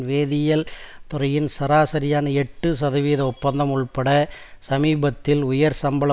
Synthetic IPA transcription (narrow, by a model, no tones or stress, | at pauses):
ʋeːðɪjɐlt̪ʊɾɐjɪnsɐɾaːsɐɾɪjaːnɐɛʈːɯsɐðɐʋiːðɐʊpːɐnd̪ɐmʊɭpɐɽɐsɐmiːbɐt̪ːɪlʊjɐɾsɐmbɐɭɐ